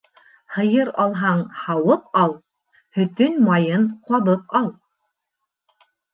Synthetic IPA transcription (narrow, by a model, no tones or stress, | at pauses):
hɤ̆jɤɾɑlˠɦɑɴhɑwɤpɑlˠ | hɵ̆t̪ɵnmɑjɤnqwɑβɤp̚ɑlˠ